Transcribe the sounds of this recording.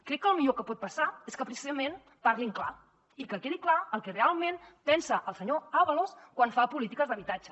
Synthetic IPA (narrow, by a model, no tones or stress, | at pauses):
kɾɛkːəːlˠmiʎokəpɔt̪̚pəsaeskəpɾisizəmen | paɾɣiŋkla | ikəkeðiklaəlˠkɛrealˠmenpɛnsəʔəlˠsəɲoaβəloskwanfapulit̪ikəzðəβit̪ad͡ʒə